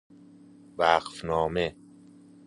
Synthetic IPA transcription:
væqfnɒːme

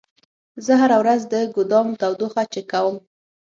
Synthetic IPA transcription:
zəɦaɾawɾazd̪əɡʊd̪ɑmt̪awd̪oxat͡ʃekawəm

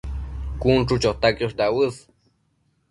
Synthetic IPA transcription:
kunʈ͡ʂut͡ʃot̪akoʂd̪awɨs

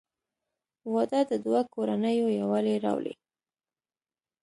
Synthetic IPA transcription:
wɑd̪əd̪əd̪wakoɾanəjojawaleɾɑ̰wlḛ

